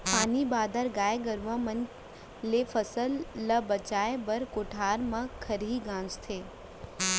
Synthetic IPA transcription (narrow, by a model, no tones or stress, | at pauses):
paːnibaːd̪ʱəɾɡaːeɡəɾʋamən | lefʰəsəlːəbɐt͡ʃaːebɐɾkoːʈʰaːɾmãkʰɐɾiɡãːnd͡ʒt̪ʰeː